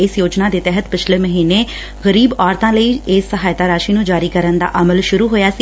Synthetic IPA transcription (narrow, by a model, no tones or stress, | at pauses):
ɪsjoːd͡ʒnaːd̪eːt̪ɛɦət̪pɪt͡ʃʰleːməɦiːneː | ɣəɾiːbɔːɾt̪ãːləiːɪsːəɦaːjt̪aːɾaːʃiːnũːd͡ʒaːɾiːkəɾənd̪a̰ːʔəməlʃʊɾuːɦoːjaːsiː